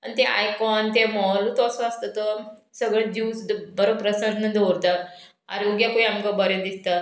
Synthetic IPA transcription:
anit̪eʔa̰jkɔnt̪emɔlut̪ɔsɔəst̪ət̪əsəɡɭed͡ʑuːsd̪bəɾopɾəsə̃ʈnə̃d̪ʱoɾt̪a | a̰ɾoɡjakoiamkəbəɾẽd̪ist̪a

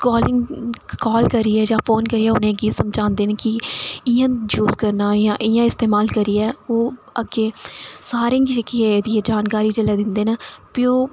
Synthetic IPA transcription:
kɔːlɪŋkɔːlkəɾiːɛːd͡ʒãːpʰoːnkəɾiːɛːʊnẽːɡiːt̪səmd͡ʒãːnd̪eːnkɪɪjãːd͡ʒuːzkəɾnaːjãːʔɪjãːɪst̪eːmaːlkəɾiːɛːoː | əɡeːsaːɾẽɡit͡ʃəkːiɛːd̪iːɛːd͡ʒaːnkaːɾiːt͡ʃəlɛːd̪ɪnd̪eːnaːpɪoː

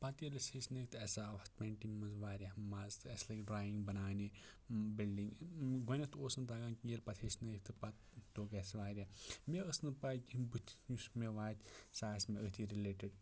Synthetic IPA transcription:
pɐt̪ilɐsisnɐkt̪ɛsaʋɐt̪meɳʈimɐzʋaːɾʲamazt̪ɛslɐkɖɾaːjiŋɡbɐnaːne | bilɖiŋɡɡonɐt̪oːsnt̪aːɡaːnkʲielpɐt̪ʰhisnɐkt̪ɨpɐt̪ | t̪oːkesʋaːɾʲameəsnɨpakʲibɨt̪ʲʰusmeʋaːt̪ʰʲsaːsmeət̪ʰiɾileːʈiɖ

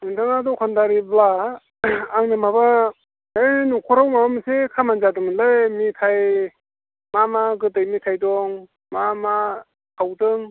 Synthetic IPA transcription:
ɯntʰaŋadɔkʰandaɾiblaː | ŋnɯmaba | enukʰɔɾawmamamisekʰamanzadɯŋmɯnlajmitʰaj | mamaɡɯtɯjmitʰajdɔŋ | mama | kʰawdɯŋ

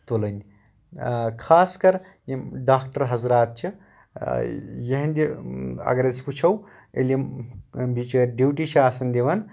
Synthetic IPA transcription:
t̪olɐnʲ | kʰaːskɐɾ | jmɖaːkʈɐɾɦɐzɾaːt̪̚t͡ʃʰi | jeɦɐ̃nʲd̪ʲiɐ̰ɡɐɾɐsput͡ʃʰɐw | ḛlimbit͡ʃɖiwʈit͡ʃʰaːsɐnd̪eʋɐn

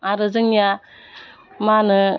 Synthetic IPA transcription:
aɾɯzɯŋja | manɯ

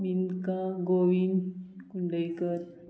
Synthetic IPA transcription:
minkaɡoʋinkuɳɖəjkəɾ

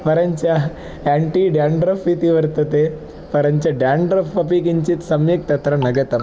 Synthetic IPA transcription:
pɐɾəɲt͡ɕa | æɳʈiɖjaɳɖɾəfit̪iʋəɾt̪ɐt̪e | pɐɾəɲt͡ɕaɖjaɳɖɾəfpɐpikiɲt͡ɕit̪sɐmjek̚t̪ɐt̪ɾɐnɐɡet̪ɐ

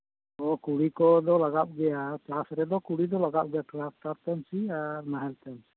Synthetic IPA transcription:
ɔkuɽikɔd̪ɔlaɡaɓ̚ɡɛjat͡ʃasɾɛd̪ɔkuɽid̪ɔlaɡap̚ɡɛjaʈɾasʈaɾt̪ɛnsiaɾnaɦɛlt̪ɛmsi̥

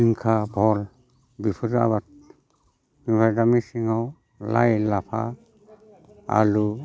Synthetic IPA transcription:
iŋkʰabʱɔl | bipʰɯɾa̰bat̚ | mibʰʱajdamisiŋaw | la̰jlapʰa̰ | a̰ɾu

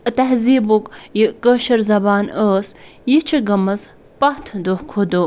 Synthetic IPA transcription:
t̪ɐɦziːbukjikəʃɐɾzɐbaːnəːsjit͡ʃʰiɡɐmɐs | pɐht̪ʰd̪ohkʰod̪u

